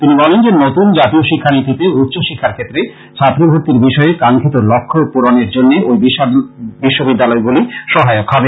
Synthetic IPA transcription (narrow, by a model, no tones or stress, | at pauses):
t̪inibɔlend͡ʑenot̪und͡ʑat̪ioʃikʰːanit̪it̪eut̪ːɕoʃikʰːaɾkʰet̪ːɾe | t͡ɕʰat̪ːɾibʱuɾt̪iɾbiʃɔekaŋkʰit̪olokʰːopuɾoneɾd͡ʑonːeojbibiʃːobid̪ːalɔeɡuliʃɔɦaeokɦɔbe